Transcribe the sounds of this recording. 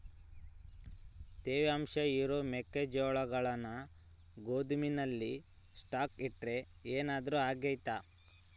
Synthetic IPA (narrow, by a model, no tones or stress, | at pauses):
t̪eːʋeɐmʃɐiɾoːmekːed͡ʒɔːɭɐɡɐɭɐnɐ | ɡoːd̪uminɐlːi | sʈaːkiʈɾe̞ | eːnaːd̪ɐɾuaːɡɐjt̪a